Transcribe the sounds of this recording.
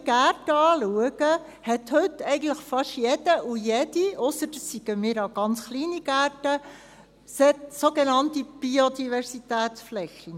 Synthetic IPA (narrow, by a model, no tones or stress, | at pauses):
ɡæɾtəɑːluəɡə | hɛthɵtːɛɪɡən̩tləχfɑʃjɛd̥əʔujɛdiʔɔsəɾdəsːiɡ̥əmiːɾɑɡ̥ɑnt͡sχliːniɡ̥ætə | sɛtsoɡenɑntib̥iod̪ivɛɾsitɛːt̪t͡sflɛxi